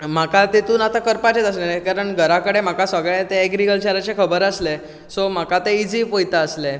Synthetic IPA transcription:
m̤akat̪et̪uːnat̪akəɾpat͡ɕet̪əslekaɾəɳɡʱəɾakəɽem̤akasəɡɭet̪eːɡɾiɡəlt͡ɕɛɾat͡sekʰəbəɾəsle | som̤akat̪eid͡zipojt̪aəsle

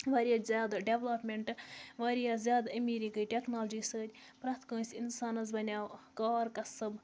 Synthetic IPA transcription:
ʋaːɾʲijaːzʲaːd̪aɖeʋlaːpmʲeɳʈʋaːɾijaːzʲjaːd̪ɐmiɾikɨjʈʲeknaːld͡ʒiːsəːɾʲ | pɾaːt̪ʰkoːsʲinsaːnɐzbɐnʲaːkaːɾkɐsɨb

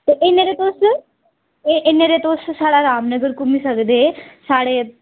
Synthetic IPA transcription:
t̪oʔeneɾet̪oːs | eʔeneɾet̪oːssaːɽaɾaːmnəɡəɾkumisəɡd̪esaːɽe

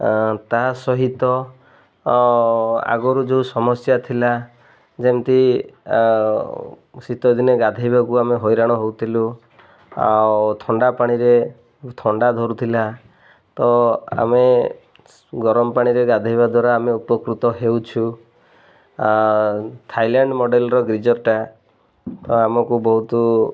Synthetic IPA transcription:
t̪asɔɦit̪ɔ | a̰ɡɔɾud͡ʒewsɔmɔsjat̪ʰila | d͡ʒemt̪i | sit̪ɔd̪ineɡad̪ʱajbakuameɦojɾaɽ̃ɔɦowt̪ʰilu | a̰wt̪ʰɔɳɖapaɽ̃iɾe | t̪ʰɔɳɖad̪ʱɔɾut̪ʰila | t̪ɔa̰me | ɡɔɾɔmɔpaɽ̃iɾeɡad̪ʱajbad̪ʱwaɾaːmeupɔkɾut̪ɔɦewt͡ʃʰu | t̪ʰajlaɳɖmɔɖelɔɾɔɡɾid͡ʒɔɾʈa | t̪ɔamɔkubɔɦut̪ɔ

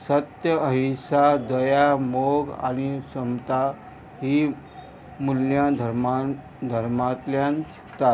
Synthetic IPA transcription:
sət̪jəəɦisad̪əjamoɡa̰ñisəmt̪a | ɦi | muljãd̪ʱɾma | d̪ʱəɾmat̪ljant͡ʃʰi̥kt̪at̪

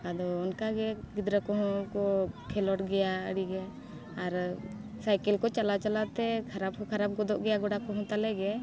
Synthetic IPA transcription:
ad̪ɔːnkaɡɛɡid̪ɾəkɔɦɔ̃kɔkʰɛlɔʈɡɛjaə̰ɽiɡɛ | aɾ | sajkɛlkɔt͡ʃalat͡ʃalat̪ɛkʰaɾab̚kʰaɾab̚ɡɔd̪ɔʔɡɛjaɡɔɽakɔɦɔ̃t̪alɛɡɛ

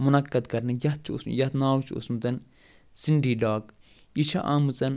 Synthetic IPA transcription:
mʊnɐkːɐd̪kɐɾnɐjɐt̪̚t͡ʃʊ̰smjɐt̪naːwt͡ʃʼuʊ̰smt̪ɐn | sinɖiːdaːk | iʃɐʔamut͡sʼɐn

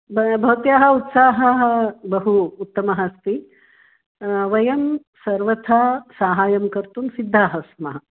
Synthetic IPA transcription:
bbʱɐt̪jaːɦɐ̆ut̪saːɦɐɦɐbɐɦuːt̪ːɐmɐɦɐst̪i | ʋɐjɐm | sɐɾʋɐt̪ʰaːsaːɦaːjɐmkɐɾt̪umsid̪ʱːaːɦɐsmɐɦɐ

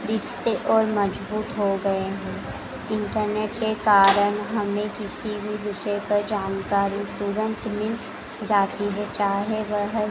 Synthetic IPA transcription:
ɾɪʃt̪eʔɔːɾmɐd͡ʒbuːt̪ɦoɡɐeɦɛ̃ː | ɪ̃ɳʈəɾneːʈkekaːɾəɽ̃ɦɐmẽkɪsibʱiʋɪʃəpɐɾd͡ʒaːnkaːɾit̪ʊɾə̃nt̪mɪ̃n | d͡ʒaːt̪iɦɛt͡ʃaːɦeʋəɦə

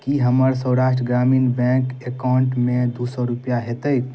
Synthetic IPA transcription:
kiɦəməɾsəwɾaʃʈɾəɡɾamiːnbɛ̃ŋkekaɳʈmẽd̪usɔɾupjaɦet̪əj̪

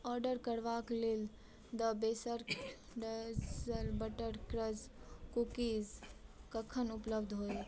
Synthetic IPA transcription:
ɔːɾɖəɾkəɾʋaklel | d̪əbesəɾ | ɖəlbəʈəɾkɾəzkukizkəkʰənupləbd̪ʱɦoː

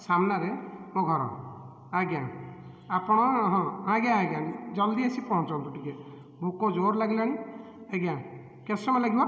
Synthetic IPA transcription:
samnaɾemoɡʱɔɾɔ̰ | aɡjã | apɔɽ̃ɔɦɔ̃aɡaaɡand͡ʒɔld̪iasipɔɦɔ̃nt͡ʃɔnt̪ɔʈike | mũkɔd͡ʒoɾlaɡilañi | eɡã | kɛsɔmalaɡibɔ

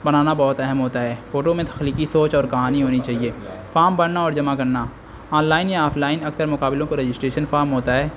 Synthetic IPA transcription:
bɐnaːnabɔːʊt̪ɛɦɛmɦoːt̪aɦɛːfoːʈomẽt̪ʰɐ̥xliːkisoːt͡ʃɔːɾkɐɦaːniɦoːnit͡ʃaːɦie | faːɾmbɐɽnaɔːɾd͡ʒɐmakɐɾna | ɔːnlaːɪnjaɔːpʰlaːɪnɐksəɾmʊkaːbɪlõkoɾed͡ʒɪsʈɾeːʃənfaːɾmɦoːt̪aɦɛː

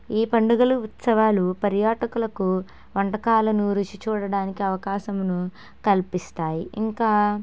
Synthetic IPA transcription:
iːpɐɳɖuɡɐluːt̪sɐʋaːlupɐɾjaːʈɐkulɐku | ʋɐɳʈɐkaːlɐnuːɾut͡ʃit͡ʃuːɽɐɽaːnikiɐʋɐkaːʃɐmnu | kɐlpist̪aːjiʔiŋkaː

